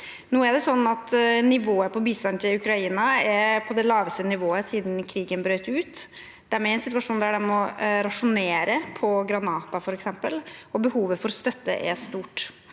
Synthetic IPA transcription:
nuːæɖɛsɔnːɑt̪nɪʋoːəpʰɔbiːst̪ɑnt̪ʰɪlʉkɾɑiːnɑɛpʰɔd̪ɛlɑːʋəst̪ənɪʋoːəsiːd̪n̩kʰɾiːɡənbɾøʏt̪ʉːt̪ | d̪̥æɾmɛɛnsɪt̪ʉɑʂuːnd̪æɖɛnmɔɾɑʂʊneːɾəpʰɔɡɾɑnɑːt̪ɑfɔɾɛksɛmpəlɔbəhuːʋəfɔɾst̪œt̪ːə̰ʔɛ̰st̪uːʈ

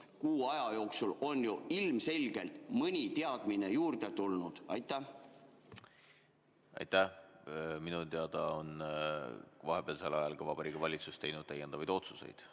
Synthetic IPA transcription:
kuːɑjɑjo̞ːksulo̞njuilmse̞lʲɡ̥e̞lt̪mɤnʲit̪eɑd̪̥minejuːrd̪̥et̪ulnud̪̥ɑjt̪ːˑæ | ɑ̰jt̪æ | minut̪eɑd̪̥ɑon | vɑɦe̞b̥eɑlse̞lːɑjɑlkɑvɑb̥ɑɾiːkːɑvɑlʲit̪sust̪ejnud̪̥̚t̪æjend̪ɑvɑjd̪̥o̞t̪suse̞̰jd̪̥

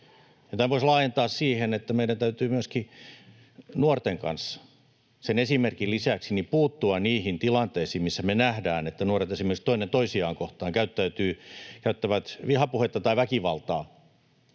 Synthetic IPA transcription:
jɑt̪æʋoislɑːjent̪ɑːssiːhenet̪ːæmeiɾænt̪æyt̪yːmyøski | nuort̪eŋkɑ̰nsːɑ̥ | senesimerkilisæksinipuːt̪ːuɑnniːhint̪ilɑnt̪eːsiːmmisːæmenæhdæːnet̪ːænuoret̪esimerkst̪oinːent̪oisiɑːŋkoht̪ɑːŋkæyt̪ːæyt̪yːkæyt̪ːæʋæt̪ʋihɑpuhet̪ːɑt̪ɑiʋækiʋɑ̰lt̪ɑː

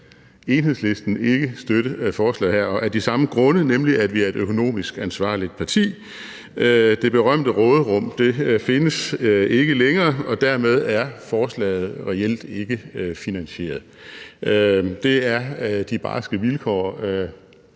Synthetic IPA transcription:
e̝nɦe̝ðˠsle̝sd̥n̩e̝ɡ̥əsd̥øɾəfɒːslɛ̰ːðˠɦæɐ̰ɒʔæɐd̥isɑ̈məɡ̥ʁɔ̽nənemliæd̥ʋiæɐe̝dɾøkʰo̝no̝̰ːmisɡ̥ænsʋɑ̰̈ːlid̥̚pʰɑ̈t͡sʰḭː | d̥e̝b̥e̝ʁɶm̰d̥əʁɔ̽ːðˠəʁɔ̽m̰d̥e̝fe̝nəse̝ɡ̥əleŋɐːɒ̽d̥æɐmeð̞ˠæɐfɒːslɛ̰ːɪð̩ˠʁɛel̰d̥e̝ɡ̥əfinænɕe̝̰ːɐð̩ˠ | d̥e̝æɐd̥ib̥ɑ̰̈ːsɡ̥əʋilkʰɒ̰ː

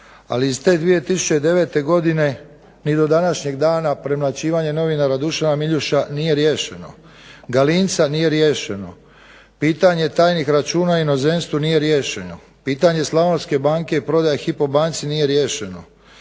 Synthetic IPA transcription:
a̰liːzt̪e̞ːd̪ʋije̞t̪isu̥t͡ɕe̞d̪e̞ʋe̞ːt̪e̞ɡo̞d̪ine̞ | nid̪o̞d̪anaʃɲe̞ɡd̪aːnapɾe̞mlat͡ɕiːʋaɲe̞no̞ʋinaɾad̪uʃanamiʎuʃanije̞ɾjeːʃe̞no̞̰ | ɡalint̪sanije̞ɾje̞ːʃe̞no̞̰ | piːt̪aɲe̞t̪aːjnixɾat͡ʃuːnaino̞zenst̪ʋunije̞ɾje̞ːʃe̞no̞ | piːt̪aɲe̞slˠaʋonske̞baːŋke̞ipɾo̞d̪ajaxipo̞baːnt̪sinije̞ɾje̞ːʃeno̞̰

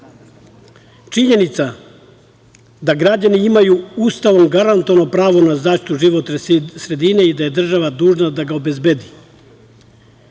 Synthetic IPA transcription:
t͡ʃiɲe̞nit̪sa | d̪aɡɾad͡ʑaniimajuuːst̪aʋo̞mɡaɾant̪oʋano̞pɾaːʋo̞nazaːʃt̪i̥t̪uʒiʋo̞t̪nesɾe̞d̪ine̞id̪aje̞d̪r̩ʒaʋad̪uːʒnad̪aɡao̞be̞zbed̪i

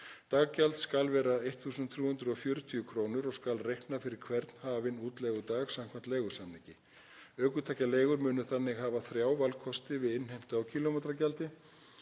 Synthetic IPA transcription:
t̪aːɣcalt̪skalvɛːɾaejht̪θuːsʏnt̪θɾjuːhʏnt̪ɾʏɔfjœːɾʏt̪ʰyʏkʰɾoːwnʏɾɔskalrejhknafɪɾɪɾ̥kʰvɛɾt̪n̥haːvɪnuːt̪lɛɣʏt̪aːɣsam̥kʰvant̪leːjɣʏ̥sanːɪcɪ | œːkʏt̪ʰajcaleːjɣʏɾmʏːnʏθanːɪɣɦaːvaθɾjaːwvalkʰɔst̪ɪvɪðɪnhejm̥t̪ʏawcʰiːlomejt̪ɾacalt̪ɪ

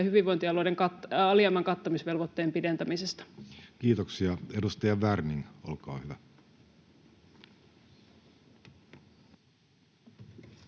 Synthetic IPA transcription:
hyʋiʋo̞jnt̪iɑlojdeŋkɑɑliɑmːɑŋkɑt̪ːomisʋe̞lʋot̪ːeːmpide̞nt̪æmisest̪ɑ̥kiːt̪oksiɑedust̪ɑjɑʋærniŋolkɑ̰ːhyʋæ

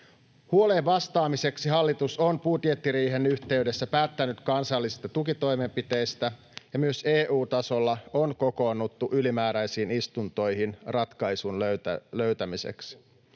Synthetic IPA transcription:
huoleʋːɑst̪ɑːmise̞ksiɦɑlːit̪usonpuːt̪jet̪ːiɾiːɦe̞nyçt̪e̞ɥde̞sːæpæːt̪ːænyt̪kɑnsɑlːisi̥st̪ɑt̪ukit̪o̞jme̞mpit̪e̞jst̪æ | jɑmyø̞se̞ːʔuːt̪ɑso̞lːɑonko̞ko̞ːnːut̪ːuʔylimæːɾæjsiːnist̪unt̪o̞jɦinrɑt̪kɑjsunløt̪æløɥt̪æmise̞̰ks

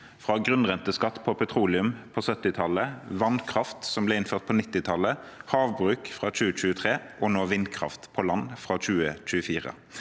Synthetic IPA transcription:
fʁɑːɡʁʉnʁɛnt̪əskɑt̪ːpʰɔpʰɛt̪ʰʁuːlɪʉmpʰoːsœt̪ːɪt̪ʰɑləʋɑnkʰʁɑft̪sɔmblɛːɪnføːʁt̪̚pʰonɪt̪ːɪt̪ʰɑləhɑːʋbʁʉːkfʁɑːt͡ʃʉːət͡ʃʉːət̪ʰʁeːʔoːnoːʋɪnkʰʁɑ̰ft̪pʰɔlɑnfʁɑːt͡ʃʉːət͡ʃʉːəfiːʁə̰

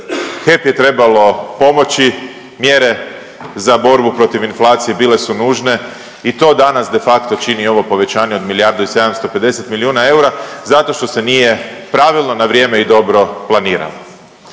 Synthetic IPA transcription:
xe̞pje̞t̪ɾe̞balo̞po̞mo̞t͡ʃi | mjeɾe̞ | zabo̞ɾbupɾo̞t̪iʋinflˠaːt̪sije̞bile̞sunuːʒne̞ | it̪o̞d̪anasd̪e̞fakt̪o̞t͡ʃinio̞ʋo̞po̞ʋe̞t͡ɕaːɲeo̞d̪milijaɾd̪oise̞d̪amst̪o̞pe̞d̪e̞set̪miliuːnae̞uɾazat̪o̞ʃt̪o̞se̞nije̞pɾaʋilˠno̞naʋɾjeːme̞id̪o̞bɾo̞plˠaniːɾa̰lo

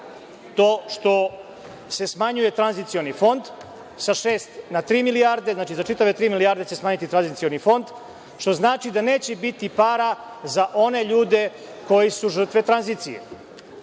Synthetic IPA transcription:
t̪o̞ːʃt̪o̞ | se̞smaɲuje̞t̪ɾanzit̪sio̞nifo̞nd̪ | saʃe̞ːst̪nat̪ɾiːmilijaɾd̪e̞znaːt͡ʃizat͡ʃit̪aʋet̪ɾiːmilijaːɾd̪et͡ɕesmaːɲit̪it̪ɾanzit̪sio̞nifo̞nd̪ | ʃt̪o̞znaːt͡ʃid̪ane̞ːt͡ɕebit̪ipaːɾa | zaʔo̞ne̞ʎuːd̪e̞ | ko̞jisuʒr̩t̪ʋe̞t̪ɾanzit̪sijḛ

